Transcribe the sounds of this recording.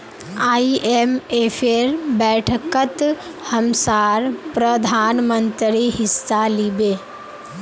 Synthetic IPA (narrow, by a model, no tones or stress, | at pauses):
aːiʔemefʰeɾbɛːʈʰəkət̪ | həmsaːɾpɾəd̪ʱaːnmənt̪ɾiɦɪsːalibeː